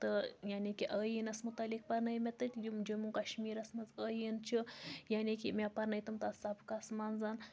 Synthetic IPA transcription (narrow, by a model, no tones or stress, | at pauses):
t̪ɨjaːnikiʔəːjinɐsmut̪ɐlik̚pɐɾnɐjmet̪ɨt̪ʲjimd͡ʒumukɐʃmiːɾɐsmɐzəːjint͡ʃʰijaːnikimepɐɾnɐjt̪ɨmt̪ɐsɐbkɐsmaːnzan